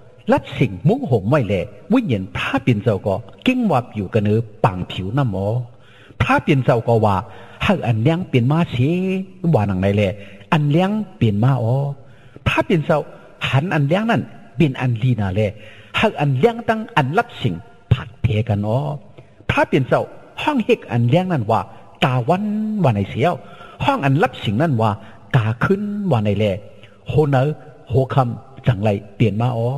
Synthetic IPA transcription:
la˧˥p̚si˨˩ŋmu˧˥˦ŋɦo˨˦mwa˧˨jlɛː˧˩wu˧˥˨ɲe˨˦npʰɾaː˧˥pe˨nt͡sa˧wkɔː˧˩ki˧˥˨ŋwaː˧p̚juː˨˩ka˧˨nɯː˧˦paː˨ŋpʰi˨˦wna˧˥˨mʔɔː˨˧˦ | pʰaː˧˥˨pe˨nt͡sa˧wkɔː˧waː˧ha˧˩wʔa˨nlɛ˧˨ŋpe˨nmaː˧˨se˧˦waː˧˨na˨˧˩ŋda˧jlɛː˧˩ʔa˨nlɛ˧˨ŋpe˨nmaː˧˨ʔɔː˨˧˦ | pʰaː˧˥˨pe˨nt͡sa˧w | ha˧˦nʔa˨nlɛ˧˨ŋna˧˥˨nbe˨˩nʔa̰˨nliː˧˨naː˨˩lɛː˧˩ | ha˧˨ʔa˨nlɛ˧ə˨ŋt̪a˧˨ŋʔa˨nla˧˥p̚si˨˦ŋ | pʰa˨˧˩t̚p̪ʰɛː˨˧˦ka˨nʔɔː˧˦ | t̪ʰaː˧˨pe˨nsa˧˨w | hɔ˧˥˨ŋhe˧˩k̚ʔa̰˨nlɛː˧˨ŋna˧˩˨nwaː˧ | t̪aː˨˧˩wa˧˥˨nwaː˧˩na˧˩jsi˧˦ə˧˨whɔː˧˥˨ŋʔa˨nla˧˥˨p̚si˨˦ŋna˧˩nwaː˧˩ | kaː˨˩kʰɯ˧˥˨nwaː˧na˧˩jlɛː˧˩ | hoː˧na˧˦ | hoː˧˦kʰa˧˨mt͡sa˨˩ŋla˧˩jpi˨˩nmaː˧˨ʔɔː˧˦

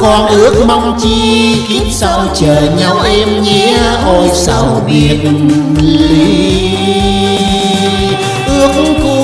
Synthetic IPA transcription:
kɔ˧nʔɨ˦˥ək̚ma˧wŋ͡mt͡ɕi˧ki˨˦˥t̚sa˧wt͡ɕəː˨˩ɲa˨˦wʔɛ˧mɲɛ˧˥ho˨˩sa˧˦wvi˨˩ət̚ŋi˨˩li˨˦ | ʔɨ˨˦˥ək̚ku˧

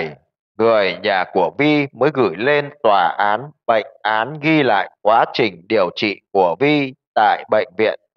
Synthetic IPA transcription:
j | ŋɨ˨˩əjɲaː˨˩ku˧˩əvi˧məː˨˦jɣɨ˧˩jle˧nt̪waː˧˩ʔaː˨˦nɓə̰˧˨jŋ̟ʔaː˨˦nɣi˧la̰ː˧˨jkwaː˨˦t͡ɕï˨˩ŋ̟ɗi˨˩əwt͡ɕḭ˧˨ku˧˩əvi˧t̪a̰ː˧˨jɓə̰˧˨jŋ̟vḭ˧˨ən

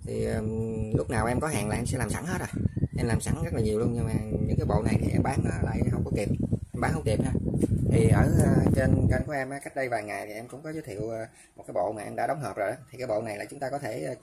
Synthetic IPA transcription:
t̪ʰi˨˩əː˨˩lʊ˦˥k͡p̚naː˨˩wʔɛ˧mkɔ˨˦ɦa̰ː˧˨nlaː˨˩ʔɛ˧msɛ̰˧˥laː˨˩msa̰˧˥ŋɦe˦˥t̚ʔaː˨˩ʔɛ˧mlaː˨˩msa˧˦ŋzə˦˥laː˨˩ɲi˨˩əwlu˧ənɲɨ˧ŋmaː˨˩ɲɨ̰˧˥ŋkaː˨˦jɓo̰˧˨na˨˩jt̪ʰi˨˩ʔɛ̰˧mɓaː˨˦ŋnɔ˨˦la̰ː˧˩jɦə˧wŋ͡mkɔ˧˦ki˨˩p̚ʔɛ˧mɓaː˨˦ŋhə˧wŋ͡mki˨˩p̚haː˧˩t̪ʰi˨˩ʔəː˧˩˨t͡ɕe˧nkə˧nku˧˩ʔɛ˧mʔaː˨˦ka˦˥jk̟̚ɗə˧jvaː˨˩jŋa˨˩jt̪ʰi˨˩ʔɛ˧mkʊ̰˧˥ŋ͡mkɔ˨˦zəː˨˦t̪ʰḭ˧˨wː | mo˨˩aː˨˦jɓo̰˧˨maː˨˩ʔɛ˧mɗa̰ː˧˥ɗə˨˦wŋ͡mɦəː˨˩p̚zo˨˩jɗɔ˨˦t̪ʰi˨˩kaː˨˦jɓo̰˧˨na˨˩jlaː˨˩t͡ɕʊ˦ŋ͡mt̪aː˧kɔ˨˦t̪ʰe˧˩˧

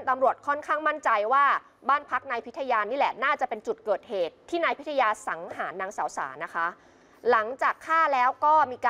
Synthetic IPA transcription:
nt̪a˧mɾu˨˩ət̪̚kʰɔ˥˩nkʰaː˥˩ŋma˥˩nt͡ɕa˧jwaː˥˩ | baː˥˩npʰa˦˥k̚na˧jpʰi˦˥t̪ʰːa˧jaː˧niː˦˥lɛ˨˩naː˥˩t͡ɕa˨˩pe˧nt͡ɕu˨˩t̪̚kɤː˨˩t̪̚heː˨˩t̪ʰːiː˥˩naː˧jpʰi˦˥t̪ʰa˧jaː˧sa˩˦ŋhaː˩˦nːaː˧ŋsaː˩˦wsa̰ː˩˦na˦˥kʰa˦˥ | la˩˦ŋt͡ɕaː˨˩kʰːaː˥˩lɛː˦˥wkɔː˥˩miː˧kaː˧

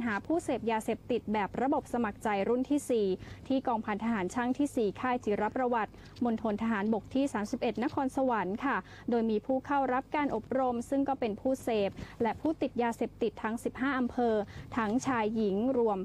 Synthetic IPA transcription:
nɦaː˩˦pʰuː˥˩seː˨˩p̚jaː˧seː˨˩p̚t̪i˨˩t̪̚bɛː˨˩p̚ɾa˧bo˨˩p̚sa˧ma˨˩k̚t͡ɕa˧jɾu˥˩nt̪ʰiː˥˩siː˨˩t̪ʰiː˥˩kɔː˧ŋpʰa˧nt̪ʰa˧ɦaː˩˦nt͡ɕʰa˥˩ŋt̪ʰiː˥˩siː˨˩kʰaː˥˩jt͡ɕʰiː˩˦ɾa˦˥pɾa˧wa˨˩t̪̚ | mo˧nt̪ʰo˧nt̪ʰa˧ɦaː˩˦nbo˨˩k̚t̪ʰiː˥˩saː˩˦msi˨˩p̚ʔe˨˩t̪̚na˦˥kʰɔː˧nsa˧wa˩˦nkʰa˥˩ | doː˧jmiː˧pʰuː˥˩kʰa˥˩wɾa˦˥p̚kaː˧nʔo˨˩p̚ɾo˧msɯ˥˩ŋkɔː˥˩pe˧npʰuː˥˩seː˨˩p̚lɛ˦˥ʔpʰuː˥˩t̪i˨˩t̪̚jaː˧se˨˩p̚t̪i˨˩t̪ʰːa˦˥ŋsi˨˩p̚ɦaː˥˩ʔa˧mpʰɤː˧t̪ʰa˦˥ŋt͡ɕʰaː˧jːi˩˦ŋɾu˧əm

